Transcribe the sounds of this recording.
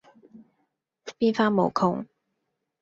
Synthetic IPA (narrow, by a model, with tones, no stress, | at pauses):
fpiː˥nfaː˥mo̰˨˩wkʰʊ˥ŋ